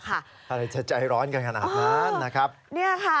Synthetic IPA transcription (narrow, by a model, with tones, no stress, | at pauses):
kʰa˥˩ | ʔʰa˧ɾa˧jt͡ɕa˧˩t͡ɕa˧jɾɔː˦˥nka˧nkʰa˧naː˧maː˦˧˥nːa˦˥kʰɾa˦˥p̚ni˥˩ɐkʰa˥˩